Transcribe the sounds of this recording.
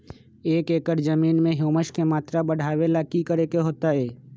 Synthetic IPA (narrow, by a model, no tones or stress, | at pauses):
eːkeːkəɾd͡ʒəmiːnmẽɦoːməʃkemaːt̪ɾabəɽ̤ʱaːʋelaːkikəɾeːkeɦoːt̪aɦɛː